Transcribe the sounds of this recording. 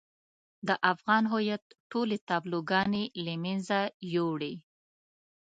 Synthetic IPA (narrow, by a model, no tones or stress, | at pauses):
d̪əʔafɣɑnɦʊjat̪ʈolet̪ɑbloɡɑnelamanzajoɽi